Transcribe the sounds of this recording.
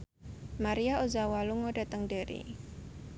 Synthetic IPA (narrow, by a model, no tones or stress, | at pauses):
maɾiaozawaluŋoɖa̤t̪əŋdeɾḭ